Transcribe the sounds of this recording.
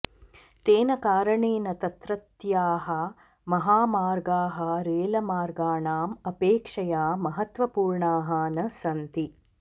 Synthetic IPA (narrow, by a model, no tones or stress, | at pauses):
t̪eːnɐkaːɾɐɳiːnɐt̪ɐt̪ɾɐt̪jaːɦɐ | mɐɦaːmaːɾɡaːɦɐɾeːlɐmaːɾɡaːɳaːmɐpeːkʂɐjaːmɐɦɐt̪ʋɐpuːɾɳaːɦɐnɐsɐnt̪i